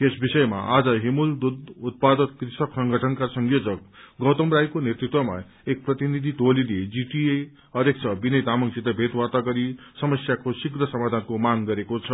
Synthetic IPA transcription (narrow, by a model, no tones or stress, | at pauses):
esbisʌema̰ʔad͡zʌɦemuld̪ud̪ut̪̚pad̪ʌt̪krisʌksʌŋɡʱʌʈʰʌnkarsʌŋjod͡zʌk̚ɡʌwt̪ʌmrajkonet̪rit̪wʌma̰ | ek̚prʌt̪inid̪ʱit̪oliled͡ziʈie | ʌɾjek̚t͡sʰʌbinʌjd̪amʌŋsid̪ʱʌbʱet̪wat̪aɡʌɾi | sʌmʌsjakosikrʌsʌmad̪ʱankomaŋɡʌɾekot͡sʰʌ